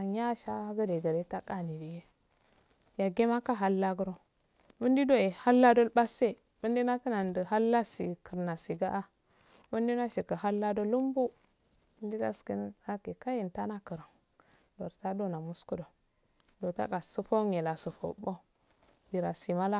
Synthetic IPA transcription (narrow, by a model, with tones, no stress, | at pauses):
ja˦ʃa˦ɡə˦de˨ɡə˨ɾe˦ta˦ka˦˨ni˨di˨je˦ | ja˨ɡe˦ma˦ka˦ɦa˦lːa˦ɡə˦ɾo˦ | bə˦ndi˦do˦e˨ha˦lːa˦do˦lba˦se˦ | bə˦ndi˦na˦tə˦na˨ndə˨ɦa˦lːa˦si˨kʰə˨ɾna˨si˨ɡa˦ʔa˦ | bə˦ndi˦na˦ʃi˨kə˨ɦa˦lːa˦do˦lu˦mbu˦ | bə˦ndi˦da˦skḭ˦n˦a˦ke˨ka˦ji˨nta˦na˦kə˨ɾə˨ŋ | do˨ɾta˦do˦na˨mu˦sku˦do˨ | do˨ta̰˦ka˨sə˦po˦ŋje˨la˨sə˨fo̰˨˦ba˦˨ | bi˨ɾa˨si˨ma˦la˦